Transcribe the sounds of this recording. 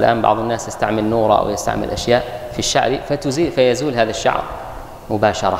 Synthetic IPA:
lʔa̰ːmbɑ̰ʕðˤɪnːaːsjɪst̪aʕmɪlnuːɾˤɑ̰wjɪst̪a̰ʕmɪ̰lʔaʃjaːʔfiʃːa̰ʕɾifat̪ʊziːfajazuːlɦaːðaʃːɑ̰ʕɾ | mʊbaːʃɑɾˤɑ

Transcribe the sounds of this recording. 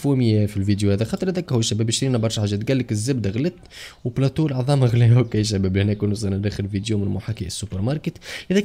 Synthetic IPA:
fumɪjæfilvid̪juhæd̪æxɑːt̪ˤəɾˤhæd̪æːkhʊwæʃːæbæːbɪʃɾiːnæbɑɾˤʃħaʒːɛːt̪ɡælːɪkɪzːɪbd̪æɣlɪt̪wplɑt̪uːlʕɑðˤɑːmaɣlɛwkæjʃ̬æbæːblhnɛːkunʊsˤɑnnɾiːxɪlvid̪jumɪnmʊħaːkiʔɪsːʊpəɾmɑɾˤkət̪ʔɪðɛ

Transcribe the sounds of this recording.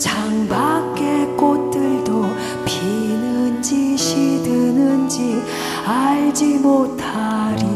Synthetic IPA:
t͡ɕaŋbak͈ːek͈ot̚t͈ɯɭdo | pinɯnd͡ʑiɕʰidɯnɯnd͡ʑi | aɭd͡ʑimotʰaɾi

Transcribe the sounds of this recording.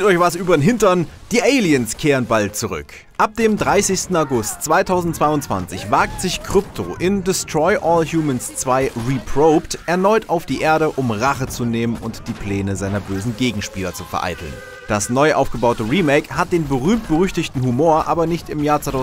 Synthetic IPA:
tɔçv̥asʔyːbɐnɦɪntɐnd̥iːʔeɪliənskʰeːʁənbalt̚t͡suʁʏ̰k | ʔap̚d̥eːmdʁaɪsɪçstn̩aʊɡʊstt͡sv̥aɪtʰaʊzn̩tt͡sv̥aɪʊntt͡sv̥a̰nt͡sɪçv̥aɐk̚tz̥ɪçkʰʁ̥ʏp̚tʰo̰ʔɪndɪstʁ̥ɔʏʔɔːlhjuːmənst͡sv̥aɪʁipʰʁ̥oʊptʔɛɐnɔʏtaʊfd̥iːʔeːɐɾəʔʊmʁaχət͡suneːmənʊntd̥iːpʰl̥ɛːnəzaɪnɐbøːzn̩ɡeːɡŋ̩ʃpiːlɐt͡sufɛɐʔa̰ɪtʰl̩n | d̥asnɔʏʔa̰ʊfɡ̥əbaʊtəʁiːmɛkhat̚d̥eːnbəʁyːmt̚b̥əʁʏçtɪçtn̩humoːɐʔa̰ːbɐnɪçtɪmjaːɐt͡saɪtʰa

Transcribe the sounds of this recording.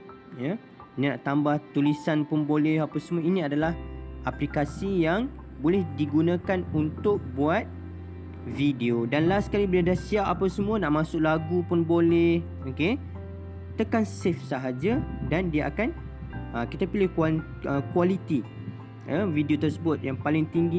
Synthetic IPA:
jə | inina̰ʔt̪ambaht̪ulisanpʊnbolɛhapasəmuainĩadalahaplikasijaŋbolɛhdiɡunãkanunt̪ʊk̚buat̪̚ | videodanlasə̥kalibəladasiapapasəmuənaʔmãsʊʔlaɡupʊnbolɛh | oke | t̪əkansɪfsaɦad͡ʒadandiaʔa̰kan | əkit̪apilɪhkua | əkualit̪i | əvidiot̪ərsəbʊt̪̚jaŋpalɪŋt̪iŋɡi

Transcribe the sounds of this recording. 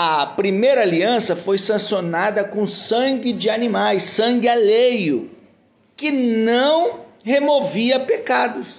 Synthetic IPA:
ɐpɾimejɾɐːliɐ̃sɐfojsɐ̃sionad̪ɐkõsɐ̃ŋɡɪd͡ʒɪanĩmajsːɐ̃ɡɪalejʊ | kɪnɐ̃w̃ | hemoviɐpekad̪ʊs

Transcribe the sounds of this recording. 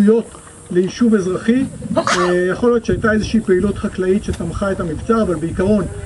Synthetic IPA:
ujo̞t | lejiʃuve̞zʁaχi | jaχolijo̞tt͡ʃʃeajtae̞zeʃiipeilutχaklaitʃetamχaetamivt͡saavalbeikaʁo̞n

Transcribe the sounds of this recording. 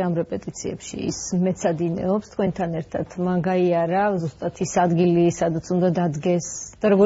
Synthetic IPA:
amɾɛpʼɛt̪ʼit̪sʰiɛ̰pʃḭḭsmɛt̪sʰad̪inɛ̰ɔpst̪ʰkwɛnt̪ʰanɛɾt̪ʰat̪ʰmaɡaiaɾazust̪ʼat̪ʰisad̪ɡilisad̪at̪sʰund̪ad̪ad̪ɡɛsd̪̥aɾɔɡɔ

